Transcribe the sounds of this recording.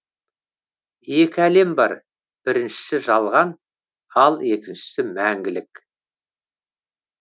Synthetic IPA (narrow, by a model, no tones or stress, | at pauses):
je̞kʲɪæle̞mbɑ̰ɾ | b̥ɪɾɪnʃɪ̥sɪʒɑlˠʁɑn | ɑlˠe̞kʲɪnʃɪ̥sɪmæŋɡʲɪlɪk